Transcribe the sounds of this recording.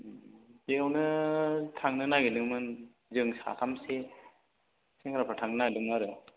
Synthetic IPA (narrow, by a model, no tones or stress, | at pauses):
beawnɯtʰaŋnɯnaɡedɯŋmɯn | zɯŋsa̰kʰamse | seŋɾapʰatʰaŋnɯnadɯŋnaɾɯ